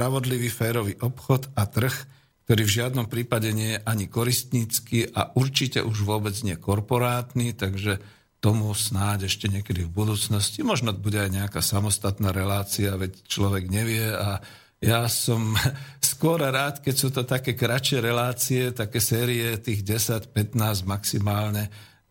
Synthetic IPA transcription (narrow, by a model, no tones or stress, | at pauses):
pɾaʋɔd̪liʋiːfɛːɾɔʋiːʔɔpxɔt̪at̪r̩x | k̚t̪ɔɾiːvʒɪad̪nɔmpɾiːpaɟɛɲɪɛjɛʔaɲikɔɾist̪ɲiːt͡skiʔa̰ʔuɾt͡ʃicɛ̰ʔuʒʋʊɔbɛd͡zɲɪɛkɔɾpɔɾaːt̪nit̪aɡʒɛ | t̪ɔmusnaːɟɛʃcɛɲɪɛkɛd̪ivbud̪uːt͡snɔscimɔʒnɔbuɟɛajɲɛakaːsamɔst̪at̪naːɾɛlaːt͡siaʋɛct͡ʃlɔʋɛɡɲɛʋɪɛa | jasɔmskʊɔɾaɾaːt̪kɛcsuːt̪ɔt̪akɛːkɾat͡ʃɪɛɾɛlaːt͡siɛt̪akɛːsɛːɾiɛt̪iːɣɟɛsacpɛt̪naːzɟmaksimaːlɲɛ